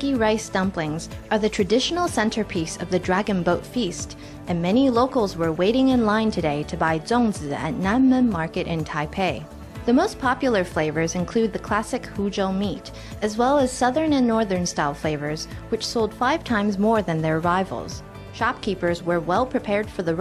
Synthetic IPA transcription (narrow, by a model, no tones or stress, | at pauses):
iɹaɪstʌ̃mplɪ̃ŋzʔə˞ðɨtʰɹ̥ɨdɪʃn̩l̩ˠsɛ̃ntʰə˞pʰisʌvðɨdɹæɡɨ̃nboʊtfist | ɨ̃nmɛniloʊkl̩ˠzwə˞weɪɾɪ̃ŋɨ̃nlãɪ̃ntʰɨdeɪɾɨbaɪzõʊ̃nzzɨ̰tⁿnæmɨ̃mːɑɹkɨɾʔɨ̃ntʰaɪpʰeɪ | ðɨmoʊspʰɑpjl̩ˠə˞fleɪvə˞zɨ̃nkʰl̥ʉd̪̚ðɨkʰl̥æsɨkhud͡ʒoʊmiɾ | ɨzwɛlˠəz̥sʌðə̃˞nɨ̃nːɔɹðə̃˞nstaɪlˠfleɪvə˞zwɨt͡ʃsoʊlˠd̥faɪv̥tʰãɪ̃mzmɔɹðɨ̃nðə˞ə˞aɪvl̩ˠz̥ | ʃɑp̚kʰipə˞zwə˞wɛlˠpʰɹ̥ipʰɛɹd̥fə˞ðɨ